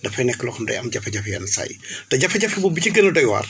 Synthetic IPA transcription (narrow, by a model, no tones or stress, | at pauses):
ndɐfɐjnɛkːəlɔxɐmdɐ̰jɐmɟɐfɐɟɐfɐjɐ̰nsɐ̰jdɐɟɐfɐɟɐfibubiciɡənɐdɔjwa̰ːr